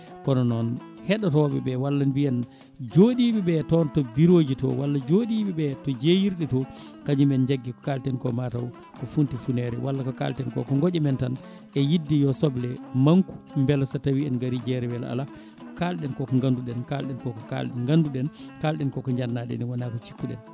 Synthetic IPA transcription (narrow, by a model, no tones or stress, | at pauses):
kɔnɔnɔn | hɛɗatɔɓɛ̰bɛwalːanbijan | d͡ʒoɗiɓɛɓɛtɔntɔbiɾoːd͡ʒitɔ̰walːad͡ʒoɗiɓiɓɛtɔd͡ʒejiɾɗɛtɔ | kad͡ʒimɛnd͡ʒaɡːikɔ̥kaltɛnkɔmataw | kɔfuntifunɛɾɛwalːakɔka̰ltɛnkɔ̰kɔŋɡɔd͡ʒɛmɛntan | ɛjidːijɔsɔblɛmaŋku̥mbɛlsatawiɛnɡaɾid͡ʒɛɾɛwɛla̰la | kɔkalɗɛnkɔkɔŋɡanduɗɛnkalɗɛnkɔkɔka̰lŋɡanduɗɛnkalɗɛnkɔkɔɲd͡ʒanːaɗɛ̰nɛwanakɔt͡ʃi̥kːuɗɛ̰n